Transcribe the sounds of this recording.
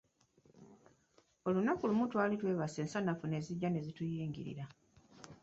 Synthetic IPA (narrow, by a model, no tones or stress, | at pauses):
o̞lunakulumutwaːlitwe̞ːβase̞ːnsanafune̞ziɟːane̞zitujiːŋɡḭɾḭɾa